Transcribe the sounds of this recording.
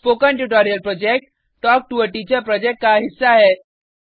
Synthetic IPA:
fokə̃ɳʈuʈoɾijəlpɾod͡ʒek̚ʈː | ɔk̚ʈuəʈit͡ʃəɾpɾɔːd͡ʒek̚ʈ̚kaɦɪsːaɦɛː

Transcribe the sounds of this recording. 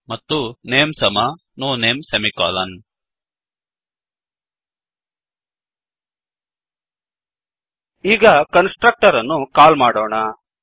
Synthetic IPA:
mɐt̪ːuneːmsɐmɐ | noːneːmsemikɔ̰ːlɐn | iːɡɐkɐnsʈɾɐk̚ʈɐɾɐnːukaːlmaːɽoːɳɐ

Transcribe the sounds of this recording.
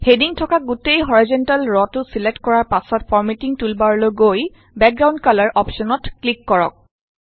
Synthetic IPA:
hediŋtʰɔkaɡutejɦɔɹizɔntalɹɔtʊsiletkɔɹaɹpasɔtpʰɔɹmetiŋtulbaɹɔloɡoj | bɛk̚ɡɹawndkalaɹʔɔpsɔnɔtklikːɔɹɔ̰k̚

